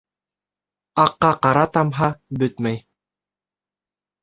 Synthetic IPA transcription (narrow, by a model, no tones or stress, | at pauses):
ɑqːɑqɑɾɑt̪ɑmɦɑbɵt̪mæj